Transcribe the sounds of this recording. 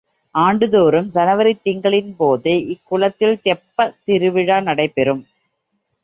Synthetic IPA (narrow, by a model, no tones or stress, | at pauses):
ʔaːɳɖɯðoːɾɯmsɐnɐʋɐɾɪt̪ːɪŋɡɐɭɪnpoːðeʔɪkːʊɭɐt̪ːɪlt̪ɛpːɐt̪ɪɾɯʋɪɻaːnɐɽɐɪpːɛɾɯm